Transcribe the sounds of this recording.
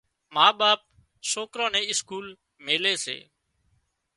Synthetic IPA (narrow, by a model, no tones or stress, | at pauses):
maːɓaːp̚ | soːkɾãːnɛ̃ːɪskuːl | meːleːsḛː